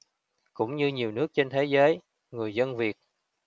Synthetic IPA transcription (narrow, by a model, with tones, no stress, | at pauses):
kʊ̰˧˥ŋ͡mɲɨ˧ɲi˨˩əwnɨ˦˥ək̚t͡ɕe˧nt̪ʰe˨˦zəː˨˦j | ŋɨ˨˩əjzə˧nvi˨˩ət̚